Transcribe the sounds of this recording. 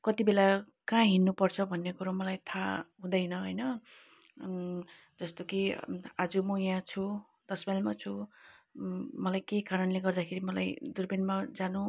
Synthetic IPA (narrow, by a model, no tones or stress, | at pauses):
kʌt̪ibela | kãɦinːupʌrt͡sʰʌbʱʌnːekuɾamʌlajt̪ʰaɦũd̪ʌjnʌɦʌjnʌ | d͡zʌst̪okiad͡zumʌjãt͡sʰu | d̪ʌsbalmat͡sʰu | mʌlajkejkaɾʌnleɡʌrd̪akʰeɾimʌlajd̪urbinmad͡zanu